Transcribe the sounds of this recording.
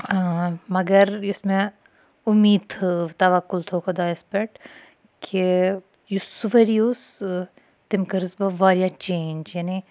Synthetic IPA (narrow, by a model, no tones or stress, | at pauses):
mɐɡɐɾʊsmẽ | ʊmiːd̪t̪ɐʋɐkːʊlt̪ʰoːkʰɐd̪aɪspeʈ | kʰe | jusuʋɐɾijus | t̪ɪmkɐɾzbɐʋaːɾjat͡ʃẽːnd͡ʒjani